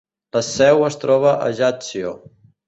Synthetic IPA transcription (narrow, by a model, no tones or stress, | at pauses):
ləsɛwəst̪ɾɔβ̞əʔə̰ʒat͡sio